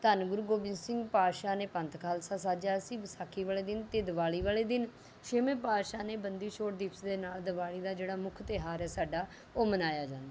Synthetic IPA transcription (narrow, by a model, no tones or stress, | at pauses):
t̪ənɡʊɾuːɡoːbɪnsɪ̃ŋɡpaːʃaːneːpə̃nt̪kʰaːlsaːsaːd͡ʒaːsĩːbəsaːkʰːiːʋaːleːd̪ɪnt̪eːd̪əʋaːliːʋaːleːd̪ɪn | ʃɪmẽːpaːʃaːneːbənd̪iːʃoːʈd̪ipsd̪eːnaːld̪əʋaːɭiːd̪aːd͡ʒeːɽaːmʊkʰt̪eɦaːɾɛːsaːɖaː | oːmənaːjaːd͡ʒãːnd̪aː